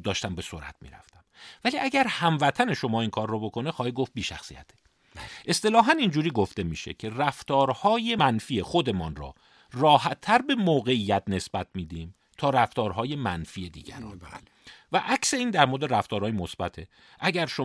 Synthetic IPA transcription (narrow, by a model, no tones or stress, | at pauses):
d̪ɒːʃt̪æmbe̞soɾæ̰t̪ʰmḭːɾæ̰ft̪æmvæliːʔæɟæɾhæmvæt̪ʰæne̞ʃo̞mɒːiŋkʰɒːɾːobo̞kʰo̞nexɒːhiɡoft̪̚biːʃæxsḭjæ̰t̪ʰe | ʔe̞st̪e̞lɒːɦænind͡ʒuːɾiːɡoft̪e̞miːʃe̞̰cʰe̞ræft̪ɒːɾhɒːje̞mænfiːexod̪e̞mɒːnɾɒ̰ː | rɒːhæt̪ʰːæɾbe̞moːɣe̞ijːæt̪̚ne̞sb̥æt̪̚ʰmiːd̪iːm | t̪ʰɒːɾæft̪ɒːɾɦɒːje̞mænfiːe̞d̪ḭːɟæ̰ɾɒ̰ː | væʔæcse̞iːnd̪æɾmoɾd̪eɾæft̪ɒːɾɒːjemosbæt̪ʰe̞ | ʔæɟæɾʃo